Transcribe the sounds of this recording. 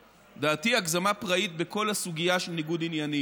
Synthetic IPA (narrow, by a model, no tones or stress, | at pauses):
d̪aːtiakzamapʁait̪̚beko̞lhasuɡijaʃelniɡudinjani